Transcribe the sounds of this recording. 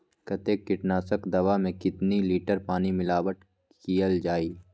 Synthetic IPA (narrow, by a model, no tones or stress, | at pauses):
kɐt̪eːkːɪʈnaːsəkd̪ɐʋamẽkɪt̪niliːʈəɾpaːnimɪlaːʋəʈ | kkijəld͡ʒaːiː